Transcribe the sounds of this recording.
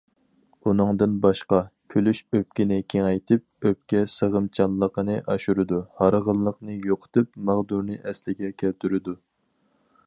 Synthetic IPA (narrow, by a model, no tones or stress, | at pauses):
unɨŋd̪ɨnbɑʃqɑkʲʰølyʃøp̚kʲinɪkʲʰeŋɛjt̪ʰɨp̚øp̚kʲɛsəʁəmt͡ʃʰɑnlˠːəqənɨʔɑʃuɾɨd̪uhɑɾəʁəlˠːəqnɨjoqʰə̥t̪ʰɨpmɑʁd̪uɾnɨʔɛslɪɡʲɛkʲʰɛlt̪ʰyɾɪd̪u